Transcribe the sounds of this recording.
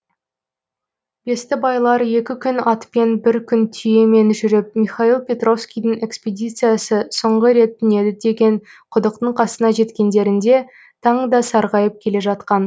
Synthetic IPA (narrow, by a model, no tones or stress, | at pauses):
be̞st̪ɪbɑjlˠɑɾje̞kʲɪkʲʰʏnɑt̪pe̞nbɪɾkʲʰʏnt̪ʰʏje̞me̞nʒʏɾɪp̚mijχailˠpʲe̞t̪ro̞fskʲijd̪ɪŋe̞kspʲed̪ʲit̪sɨjasəsoɴʁəɾe̞t̪ʰːʏne̞d̪ɪd̪e̞ɡʲe̞nqʰʊd̪əq̚t̪əɴqʰɑsənɑʒe̞t̪kʲe̞nd̪e̞ɾɪnd̪e̞ | t̪ʰɑɴd̪ɑsɑɾʁɑjəp̚kʲʰe̞le̞ʒɑt̪qɑn